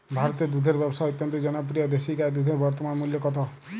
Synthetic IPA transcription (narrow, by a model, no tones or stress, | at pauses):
bʱaɾɔt̪ed̪ud̪ʱeɾbɔbsaut̪jɔnt̪ɔd͡ʒɔnɔp̬ɾijɔd̪esiɡaed̪ud̪ʱeɾbɔɾt̪ɔmanmuljɔkɔt̪ʰɔ